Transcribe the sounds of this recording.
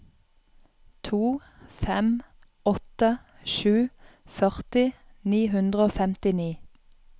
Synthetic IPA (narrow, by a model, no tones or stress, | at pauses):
t̪ʰuːfɛm | ɔt̪ə | ʃʉːfœʁt̪ɪ | niːɦʉnd̪ʁəoːfɛmt̪ɪniː